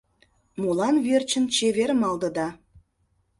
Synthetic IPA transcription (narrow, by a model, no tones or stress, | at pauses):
mulɑnβert͡ɕə̆nt͡ɕeβeɾmɑld̪ə̆d̪ɑ